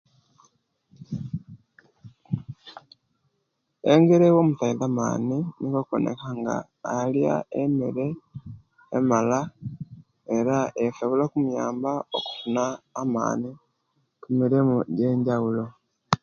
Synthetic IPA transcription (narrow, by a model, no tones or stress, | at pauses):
eŋɡeɾewomutaiðama̰ːninikoko̰nḛkaŋɡa̰ː | lja̰emeɾe̞ː | mala | eɾaesoβulokumujaːmbao̰ku̥funaːma̰ːni | kumiɾimuɟe̞ːɲɟaɣulo̞